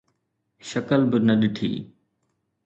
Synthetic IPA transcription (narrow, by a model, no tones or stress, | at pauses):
ʃəkəlbɪnəɗɪʈʰḭː